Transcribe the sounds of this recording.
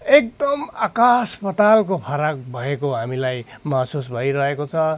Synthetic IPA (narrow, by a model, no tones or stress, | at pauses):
ek̚d̪ʌmakaspʌt̪alkopʰʌɾak̚bʱʌekoɦamilajmasusbʱʌjɾʌɦekot͡sʰʌ